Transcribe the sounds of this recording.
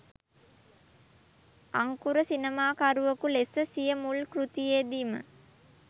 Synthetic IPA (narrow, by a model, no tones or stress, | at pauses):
aŋkuɾəsinəmaːkaɾuʋəkulesəsijəmulkrut̪ijeːd̪iːmə̰